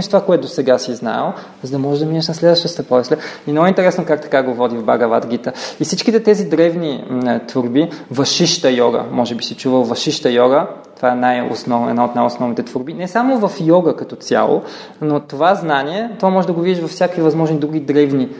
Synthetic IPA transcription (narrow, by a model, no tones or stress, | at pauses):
ɛʃt̪ovakoɛt̪ʊd̪osɛɡasizna̰əlˠ | zəd̪ɐmɔʒɛd̪ɐminəʃnɐslɛd̪vɐʃt̪əst̪ɐpɔislʲɛinɔɡɛint̪ɛɾɛsnokakt̪ɐ̥kaɡovɔd̪ivba̰ɡɐva̰d̪ɡit̪əifsit͡ʃkit̪ɛt̪ɛzid̪ɾɛvnit̪voɾbivɐʃiʃt̪əjɔɡə̰mɔʒɛbisit͡ʃuvəlˠvɐʃiʃt̪əjɔɡət̪ovaɛnajo̰snɔvɛ̰d̪naot̪najosnɔvnit̪ɛt̪voɾbinɛsamovɐfjɔɡəkɐt̪ɔt̪sʲja̰lˠo̰ | not̪ovaznaniɛt̪ovamɔʒɛd̪ɐɡovid̪iʃvɐfsʲjakvivɐzmɔʒnid̪ɾuɡ̟id̪ɾɛvni